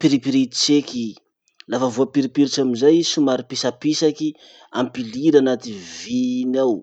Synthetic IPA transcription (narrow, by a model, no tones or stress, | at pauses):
piɾipiɾit̪t͡ʃeki | lafəvuapiɾipiɾiʈ͡ʂamizajsumaɾipisapisaki | ampiliɾanat̪ivinaw